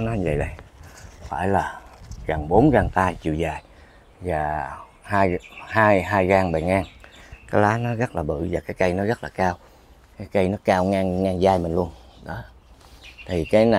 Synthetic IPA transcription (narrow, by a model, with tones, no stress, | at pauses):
nɔ˨˦zə̰˧˨˩jɗə˧˩jfaː˧˩jlaː˨˩ɣa˨˩ŋɓo˨˦nɣa˨˩ŋt̪aː˧t͡ɕḭ˧˨əzaː˨˩j | vaː˨˩ | haː˧jhaː˧jɦaː˧jɣaː˧˩ŋɓa˨˩ŋaː˧˩ŋkaː˨˦jlaː˨˦nɔ˨˦ɣə˦˥t̚laː˨˩ɓɨ̰˧˨vaː˨˩kaː˨˦jkə˧jnɔ˨˦ɣə˦˥t̚laː˨˩kaː˧w | kaː˨˦jkə˧jnɔ˨˦kaː˧wŋaː˧ŋŋaː˨˩ŋzaː˧jmï˨˩ŋ̟lu˧ənɗɔ˨˦ | t̪ʰi˨˩kaː˨˦jna˨